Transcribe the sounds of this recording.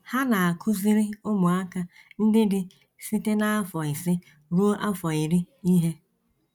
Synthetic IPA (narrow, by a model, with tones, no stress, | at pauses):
ha˦na˨a˨kʰʊ˦zɪ˦ɾɪ˦ʊ˦mʊ˨a˦ka˦n̩˦dɪ˦dɪ˨ | si˦te˦na˦a˦fɔ˨ɪ˨sɪ˦ | ɾu˦ʔa˦fɔ˨ɪ˨ɾɪ˦ | i˦ɦe˦